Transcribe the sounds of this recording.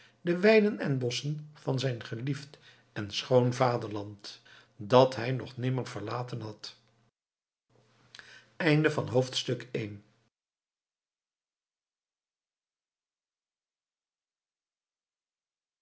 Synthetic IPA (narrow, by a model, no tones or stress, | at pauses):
dəʋɛjdənɛnbɔsənv̥ɑnzɛjnχəlift | ɛnsχownvaːdəɹlɑnt | dɑtɦɛjnɔχnɪməɹv̥əɹlaːtənɦɑt | ɛjndəvɑnɦowftstɵkejn